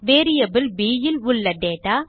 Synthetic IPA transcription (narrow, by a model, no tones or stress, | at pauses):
ʋeːɾɪjɐbɪlbiːjɪlʊɭːɐɖeːʈaː